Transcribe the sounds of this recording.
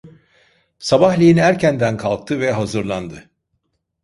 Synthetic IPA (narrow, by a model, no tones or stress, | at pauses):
sabahlʲijinæɾcʰænd̪ænkʰalˠk̚t̪ʰɯvɛɦazɯɾlˠand̪ɯ